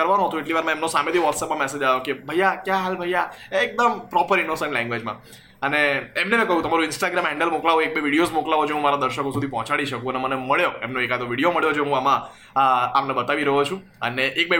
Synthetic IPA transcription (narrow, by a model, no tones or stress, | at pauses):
əɾʋanũɦət̪ũeʈliʋaɾmãemnosamet̪ʰiʋɔʈsɛpmãmɛsed͡ʒajokebʱəjakjaɦalbʱəjaek̚d̪əmpɾɔpəɾɪnosəɳʈlɛ̃ŋɡʋed͡ʒmã | əneːmnemɛ̃kəɦũt̪əmaɾuɪnsʈaɡɾamɛɳɖəlmoklaʋoek̚beʋiɽijozmoklaʋod͡ʒeɦũmaɾad̪əɾʃəkosud̪ʱipɔɦɔ̃t͡ʃaɽiʃəkũəneməneməɭjoemnoekad̪oʋiɽijoməɭjod͡ʒeɦũamã | amnebət̪aʋiɾəɦot͡ʃʰũ | əneʔːk̚be